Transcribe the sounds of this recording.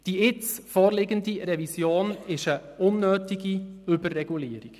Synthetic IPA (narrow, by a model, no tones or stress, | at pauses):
d̥iːɪt͡sfoːɾlɪːɡəndiɾɛvisjoːnɪʃəʔʊnːøːtɪɡiybərːɛɡuliːəɾɪk